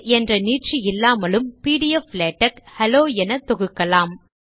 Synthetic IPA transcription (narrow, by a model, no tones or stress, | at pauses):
ɛndrɐniːʈ̚ʈt͡ʃiɪlːaːmɐlɯmpiːɽɪjɐfleːʈːɐkhɛloːɛnɐt̪ːɔɣɯkːɐlaːm